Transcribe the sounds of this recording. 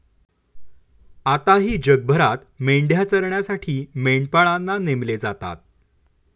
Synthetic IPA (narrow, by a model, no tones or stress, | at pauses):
at̪aɦiːd͡ʑəɡ̚bʱəɾat̪meɳɖʱjat͡səɾɳjasaʈʰiːmeɳpaɭanːanemled͡zat̪a̰t̪̚